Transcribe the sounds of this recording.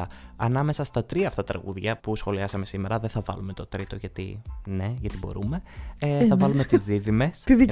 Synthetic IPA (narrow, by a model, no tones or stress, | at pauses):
ɐɐnɐme̞sɐst̪ɐt̪ɾiɐːft̪ɐt̪ɾɐ̰ɣuðʝɐpusxo̞liɐsɐmesime̞ɾɐðeθɐvɐ̰lume̞t̪o̞t̪ɾit̪o̞ʝɐt̪ḭne̞ʝɐt̪ibo̞̰ɾume̞θɐvɐlumet̪izðiðime̞spið